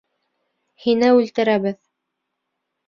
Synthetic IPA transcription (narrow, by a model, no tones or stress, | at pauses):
hinɘʉlt̪ɘ̆ɾæβɘð